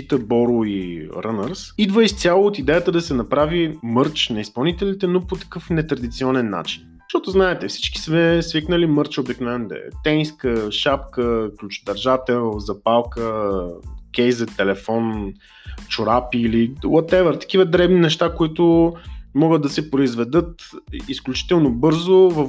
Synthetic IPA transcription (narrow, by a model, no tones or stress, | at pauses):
it̪əbɔɾoiɾənəɾsid̪vəist̪sʲjalˠoot̪id̪ɛjət̪əd̪ɐsɛnɐpɾavimɤɾt͡ʃnɐispɐlˠnit̪ɛlit̪ɛnopot̪ɐ̥kɤfnɛt̪ɾɐd̪it̪siɔnɛnːa̰t͡ʃi̥n | ʃt̪ɔt̪ʊznaɛt̪ɛfsi̥t͡ʃki̥smɛsviknəlimɤɾt͡ʃobiknovɛnd̪ɛ̰t̪ɛniskəʃapkəklʲut͡ʃʊ̥t̪ɐɾʒat̪ɛlˠzɐpalˠkə | kʲɛjzət̪ːɛlɛfɔn | t͡ʃʊɾapiːliwɐt̪ɛvɛɾt̪ɐ̥kʲivəd̪ɾɛbninɛʃt̪akoit̪ʊmɔɡət̪̚d̪ɐsɛpɾoizvɛd̪ɤt̪isklʲut͡ʃi̥t̪ɛlˠnobɤɾzovɐ